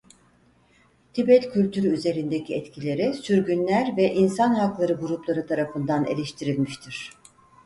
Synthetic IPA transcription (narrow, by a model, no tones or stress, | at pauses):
t̪ʰibɛt̪cʰylʲt̪ʰyɾyyze̞ɾind̪ecʰiɛt̪cʰilʲe̞ɾisyɾɟynlʲæɾvɛʔinsanɦaklˠaɾɯɡuɾuplˠaɾɯt̪ʰaɾafɯnd̪anḛlʲeʃt̪ʰiɾilʲmiʃt̪ʰiɾ̝̥